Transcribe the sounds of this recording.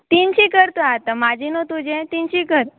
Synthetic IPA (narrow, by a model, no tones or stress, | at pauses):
t̪int͡ʃʰikəɾt̪õat̪amãd͡ʒinõt̪ũd͡ʒẽt̪ĩnt͡ʃʰikəɾ